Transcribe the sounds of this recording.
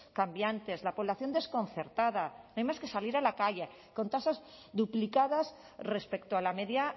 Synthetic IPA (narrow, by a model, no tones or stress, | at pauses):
kambjant̪e̞zlapo̞β̞laθjo̞nd̪e̞skõ̞n̟θe̞ɾt̪að̞anajmaske̞saliɾalakaʎe | ko̞nt̪asaz | ðuplikað̞as | re̞spe̞kt̪oalameðja